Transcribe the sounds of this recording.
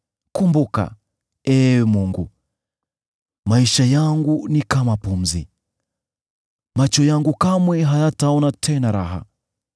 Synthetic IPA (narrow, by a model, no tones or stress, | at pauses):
kumbuka̰ | ɛmuŋɡu | maiʃajaŋɡunikamapum̩zḭ | mat͡ʃɔjaŋɡukamwɛɦajataɔnatʰɛnaɾaɦa̰